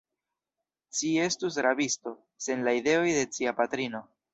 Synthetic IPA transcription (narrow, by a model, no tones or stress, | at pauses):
t͡ʃie̞stus̬ɾabisto̞ | se̞nlaide̞o̞jde̞t͡ʃiapatɾino̞